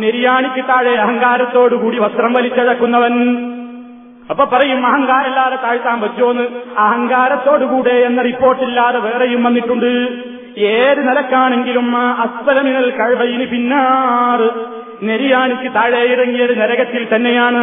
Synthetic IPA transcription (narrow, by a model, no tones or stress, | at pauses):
ne̞ɾijaːɳikʲːut̪aːɻeɐɦɐŋɡaːɾɐt̪ːo̞ːɽukuːɽiʋɐst̪rɐmʋɐlit͡ɕːɐɽɐkːunːɐʋɐn | ɐpːoːpːɐrɐjumɐɦɐŋɡaːɾɐlːaːrɐt̪ːaːɻit̪ːaːmʋɐt͡ɕːoːnːɨɐɦɐŋɡaːɾɐt̪ːo̞ːɽukuːɽeenːɐripːo̞ːrʈːilːaːteʋeːrejumʋɐnːiʈːuɳɖɨ | eːɾunɐlɐkːaːɳe̞ŋɡilumɐspɐlɐminɐlkɐɻbɐjinupinːaːrɨ | ne̞ɾijaːɳikʲːɨt̪aːɻejirɐŋːijɐɾneɾɐɣɐt̪ːilt̪ɐnːejaːɳɨ